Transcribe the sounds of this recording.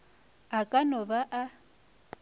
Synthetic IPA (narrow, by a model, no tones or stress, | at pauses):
akʼanɔbaʔa